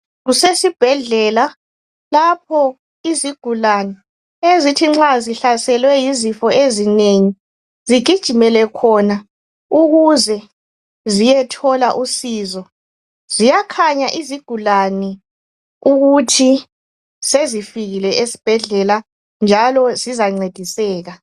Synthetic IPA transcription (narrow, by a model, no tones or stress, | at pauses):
ɣusesib̥ʱɛɮɛla | lap̚ʰɔ | iziɡ̥ʱulani | ezitʰiŋ͡ǁaziɬasɛlwɛjizifɔezineŋi | ziɡ̥ʱid̥ʒ̥ʱimɛlɛkʰɔna | uɣuzɛ | zijɛtʰɔlaʔusiːzɔ | zijakʰaɲaʔiziɡ̥ʱulani | uɣutʰi | sezifiɣilɛʔesi̥b̥ʱɛɮɛla | nd͡ʒʱalɔzizaŋ͡ǀed̥ʱisɛːɣa